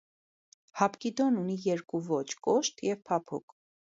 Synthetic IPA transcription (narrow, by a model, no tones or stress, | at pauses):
hɑpkid̪ɔnunijɛɾkuvɔt͡ʃʰkɔʃt̪ʰjɛvpʰɑpʰɔkʰ